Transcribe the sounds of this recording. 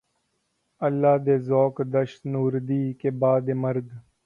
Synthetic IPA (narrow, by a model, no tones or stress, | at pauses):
ɐlːaːd̪eːzoːkd̪ɐʃt̪nuːɾd̪iːkeːbaːd̪eːmɐɾd̪